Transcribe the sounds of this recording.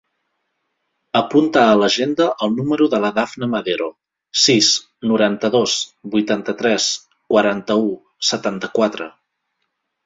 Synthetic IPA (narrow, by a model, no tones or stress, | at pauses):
əpunt̪aələʒend̪əʔəlˠnuməɾuðələðafnəməðeɾo | sis | nuɾant̪əðosbujt̪ant̪ət̪ɾɛs | kwəɾant̪əu | sət̪ant̪əkwat̪ɾə̰